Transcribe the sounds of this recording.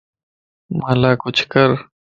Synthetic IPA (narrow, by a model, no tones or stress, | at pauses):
malaːkʊt͡ʃʰkɐɾ